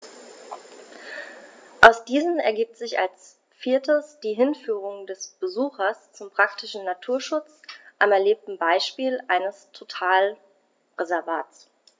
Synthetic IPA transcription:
ʔaʊsd̥iːzən̩ɛ̰ɐɡiːp̚tz̥ɪça̰ls | fiːɐtʰəsd̥iːɦɪnfyːʁ̞ʊŋdɛsb̥əzuːxɐst͡sʊmpʁ̥aktɪʃn̩natʰuːɐʃʊt͡s | ʔamɛɐleːp̚tn̩baɪʃpiːlʔaɪnəstʰotʰaːl | ʁezɛɐvaːtt͡s

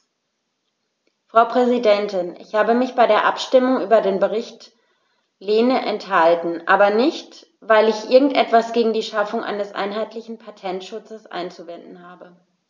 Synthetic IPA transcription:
fʁ̥aʊpʁ̥ɛzidɛntɪnʔɪçhaːbəmɪçb̥aɪɾeːɐʔapʃtɪmʊŋʔyːbɐdeːnbəʁɪçt | leːnəʔɛnthaltn̩ʔaːbɐnɪçt | vaɪlɪçʔɪɐɡŋ̩tʔɛtv̥asɡ̥eːɡŋ̩diːʃafʊŋʔa̰ɪnəsʔa̰ɪnɦaɪtlɪçn̩pʰatʰɛntʃʊt͡səsʔa̰ɪnt͡suvɛndn̩haːbə

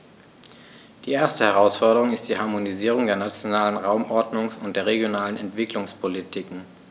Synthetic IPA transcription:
d̥iːʔeːɐstəhɛʁ̞aʊsfɔɐɾəʁ̞ʊŋɪstd̥iːhaɐmoniziːʁ̞ʊŋdeːɐnat͡sjonaːlənʁaʊmʔɔɐdnʊŋsʊnt̚d̥eːɐʁeɡjonaːlənɛntv̥ɪklʊŋspʰolitʰikŋ̩

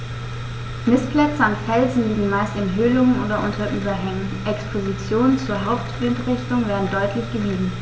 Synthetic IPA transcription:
mɪspʰlɛt͡səanfɛlzn̩liːɡŋ̩maɪstɪnɦʏlʊŋənoːdɐʔʊntʰɐʔyːbɐɦɛŋənʔɛkspʰozit͡sjoːnənt͡suːɐɦaʊptb̥lɪntʁɪçtʊŋveːɐdn̩dɔʏtʰlɪçɡ̥əviːdn̩

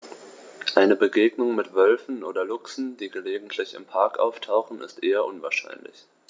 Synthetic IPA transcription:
ʔaɪnəbəɡeːɡnʊŋmɪtv̥œlfn̩ʔoːdɐlʊksn̩d̥iːɡəleːɡŋ̩tʰlɪçɪ̰mpʰaɐkʔa̰ʊftʰaʊχn̩ɪ̰stʔeːɐʔʊnvaːɐʃa̰ɪnlɪ̰ç

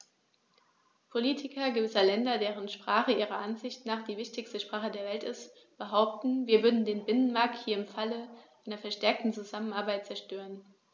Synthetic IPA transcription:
pʰoliːtʰɪkɐɡəvɪsɐlɛndɐdeːʁ̞ənʃpʁ̥aːχəʔiːʁ̞ɐʔanzɪçtnaːχd̥iːvɪçtɪçstəʃpʁ̥aːχədeːɐvɛltɪst | b̥əɦaʊp̚tn̩viːɐvʏɐdn̩deːnbɪnənmaɐk̚thiːɐɪmfaləʔaɪnɐfɛɐʃtɛɐk̚tn̩t͡suzamənaɐbaɪt̚t͡sɛɐʃtøːʁən

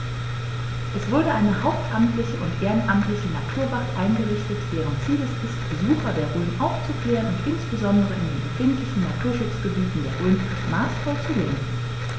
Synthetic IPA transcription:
ʔɛsv̥ʊɐɾəʔaɪnəhaʊp̚tʔamtlɪçəʔʊntʔeːʁənʔamtlɪçənatʰuːɐvaʁtʔaɪnɡəʁɪçtətd̥eːʁ̞ənt͡siːləsɪstb̥əzuːxɐdeːɐʁøːnʔaʊft͡sukʰl̥eːʁənʊntʔɪnsb̥əzɔndəʁəɪndeːnbəfɪntlɪçn̩natʰuːɐʃʊt͡sɡ̥əbiːtn̩deːɐʁøːn | maːsfaʊt͡suleːŋən̩

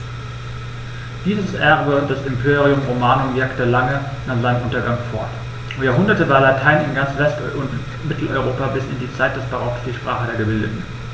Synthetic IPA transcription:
d̥iːzəsʔɛʁbəʊntd̥asɪmpʰeːʁiʊmʁomaːnʊmvɪɐktəlaŋə | naːχz̥aɪnəmʔʊntɐɡaŋfɔɐt | jaːɦʊndɐtəvaːɐlatʰaɪnɪnɡant͡sv̥ɛstʊnt | mɪtʰl̩ʔɔ̰ʏʁoːpabɪsɪ̰ndiːt͡saɪt̚d̥ɛsb̥aʁɔksd̥iːʃpʁ̥aːχədeːɐɡəbɪldə̰tn̩

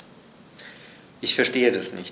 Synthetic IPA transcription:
ʔɪçfɛɐʃteːədasnɪ̰ç

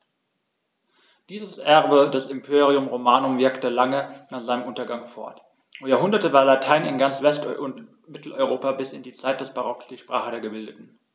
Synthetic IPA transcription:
d̥iːzəsʔɛʁbədɛsɪmpʰeːʁiʊmʁomaːnʊmvɪɐktəlaŋənaːχz̥aɪnəmʔʊntɐɡaŋfɔ̰ɐt | jaːhʊndɐtəvaːɐlatʰaɪnɪnɡant͡sv̥ɛstʊnt | mɪtʰl̩ʔɔʏʁ̞oːpabɪsɪndiːt͡saɪt̚d̥ɛsb̥aʁɔksd̥iːʃpʁ̥a̰ːχədeːɐɡəbɪldətn̩

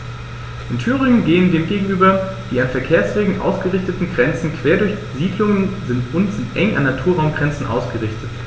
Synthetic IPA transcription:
ʔɪntʰyːʁ̞ɪŋənɡeːəndeːmɡeːɡŋ̩ʔyːbɐ | d̥iːanfɛɐkʰeːɐsv̥eːɡŋ̩ʔa̰ʊsɡ̥əʁɪçtətn̩ɡʁɛnt͡sn̩kʰv̥eːɐdʊɐçziːdlʊŋənzɪntʔʊntz̥ɪntʔɛŋʔa̰nːatʰuːɐʁaʊmɡʁɛnt͡sn̩ʔa̰ʊsɡ̥əʁɪçtət

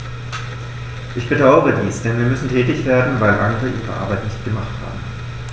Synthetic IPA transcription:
ʔɪçb̥ədaʊəʁədiːsd̥ɛnviːɐmʏsn̩tʰɛːtɪçv̥eːɐdn̩vaɪlʔa̰ŋəʁəʔiːʁə̰ʔa̰ɐbaɪtnɪçtɡ̥əmaχtha̰ːbm̩

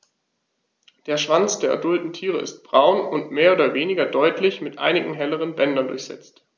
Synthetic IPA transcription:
d̥eːɐʃv̥ant͡sd̥eːɐʔɐ̰dʊltn̩tʰiːʁ̞əɪ̰st̚b̥ʁaʊnʊntmeːɐoːdɐveːnɪɡɐdɔʏtʰlɪçmɪtʔa̰ɪnɪɡŋ̩ɦɛləʁ̞ənbɛndɐndʊ̰ɐçz̥ɛ̰t͡st

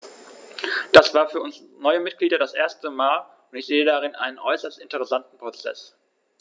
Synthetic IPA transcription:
d̥asv̥aːɐfyːɐʊnsnɔʏəmɪt̚ɡ̥liːdɐdasʔeːɐstəmaːl | ʊntɪçz̥eːədaʁɪnʔa̰ɪnənʔɔʏsɐstɪntəʁɛsantn̩pʁ̥ot͡sɛ̰s

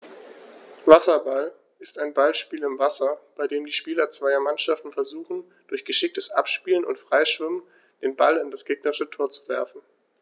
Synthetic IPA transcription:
vasɐbal | ʔɪstaɪnbalʃpiːlɪmvasɐb̥aɪdeːmdiːʃpiːlɐt͡sv̥aɪɐmanʃaftn̩fɛɐzuːχn̩ | d̥ʊɐçɡ̥əʃɪk̚təsʔa̰pʃpiːlənʊ̰ntfʁ̥aɪʃv̥ɪmən | d̥eːnbalɪndasɡ̥eːɡnɐʁɪʃətʰoːɐt͡su̥vɛɐfn̩

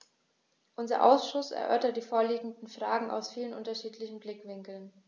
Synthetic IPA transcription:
ʔʊnzɐ̰ʔa̰ʊsʃʊsɛ̰ɐʔœ̰ɐtɐt̚d̥iːfoːɐliːɡŋ̩dn̩fʁ̥aːɡŋ̩a̰ʊsfiːlənʔʊntɐʃiːtʰlɪçn̩blɪkv̥ɪŋkl̩n

